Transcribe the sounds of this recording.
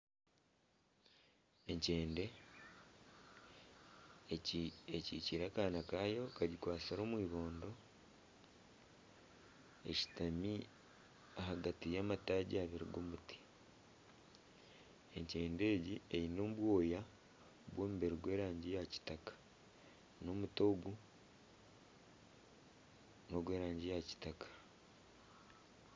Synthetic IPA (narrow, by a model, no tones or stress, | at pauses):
e̞ɲceːnde̞ | eciciɾakaːnakaːjo̞kaɟikwaːsaɾo̞ːmwiːβo̞ːndo̞ | ḛci̥tami | aɦaɡatijaːmataɟiaβiɾḭɡomuti̥ | e̞ɲce̞ːnde̞ːɟiejino̞ːmuβwo̞ːja | βwo̞ːmuβe̞ɾiɡwe̞ːɾaːɲɟijaci̥takḁ | no̞ːmuto̞ɡu | no̞ɡwe̞ːɾaːɲɟijaci̥takḁ